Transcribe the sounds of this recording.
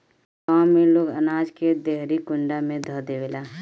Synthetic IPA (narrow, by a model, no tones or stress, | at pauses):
kaːmːeloːɡə̰naːd͡ʒked̪eɦɾikʊ̃ɳɖamẽd̪ʱəd̪eʋelaː